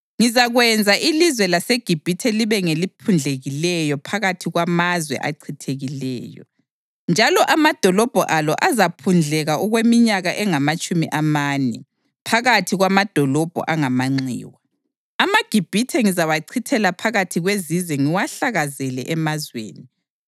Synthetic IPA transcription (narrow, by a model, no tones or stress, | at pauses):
ŋizaɣwɛnd͡zʱaʔilizwɛlaseɡ̥ʱib̥ʱitʰɛliβɛŋelipʰund͡ɮʱeɣilɛjɔpʰaɣatʰiɣwamazwɛ̰ʔa̰ǀʰitʰeɣilɛ̰ːjɔ̰ | nd͡ʒʱalɔʔamad̥ʱɔlɔb̥ʱɔ̰ʔalɔ̰ʔazapʰund͡ɮʱɛɣauɣwemiɲaɣaʔɛŋamat͡ʃʼumiʔamaːnɛ̰ | pʰaɣatʰiɣwamad̥ʱɔlɔb̥ʱɔ̰ʔaŋamaŋ͡ǀḭːwa | amaɡ̥ʱib̥ʱitʰɛŋizawaǀʰitʰɛlapʰaɣatʰiɣwezizwɛŋiwaɬaɣazɛlɛ̰ʔɛmazwḛːni